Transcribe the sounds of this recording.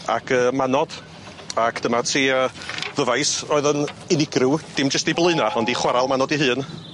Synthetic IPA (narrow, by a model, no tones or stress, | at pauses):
a̰kʰəːmanɔd̥ | akd̥əmatʰiːəðəvajsɔːɨðənɪnɪɡrud̥ɪmd͡ʒəstiblˠɨɨnaɔndiχwaɾalˠmanɔdiɦɨːn